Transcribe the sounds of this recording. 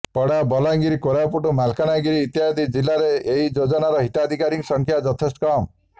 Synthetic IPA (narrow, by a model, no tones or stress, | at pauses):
pɔɽabɔlaŋɡiɾikoɾapuʈumalkanaɡiɾiːt̪jad̪id͡ʒilːaɾeeɦid͡ʒod͡ʒɔnaɾɔɦit̪ad̪ʱikaɾiŋsɔŋkʰjad͡ʒɔt̪ʰesʈkɔm